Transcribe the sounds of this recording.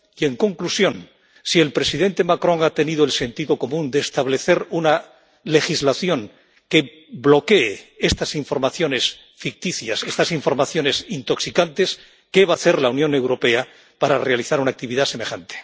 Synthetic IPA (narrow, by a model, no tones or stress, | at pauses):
ie̞ŋko̞ŋklusjo̞n | sie̞lpɾe̞siðe̞nt̪e̞makɾõ̞ŋat̪e̞niðoelse̞nt̪iðo̞ko̞mũnd̪e̞ːst̪aβ̞le̞θe̞ɾuna | le̞xizlaθjo̞ŋ | ke̞ | blo̞ke̞ːest̪asiɱfo̞ɾmaθjo̞ne̞s | fik̚t̪iθjase̞st̪asiɱfo̞ɾmaθjo̞ne̞sint̪o̞ksikant̪e̞s | ke̞βaθe̞ɾlaunjõ̞ne̞wɾo̞pe̞a | paɾare̞aliθaɾunak̚t̪iβiðase̞me̞xant̪e̥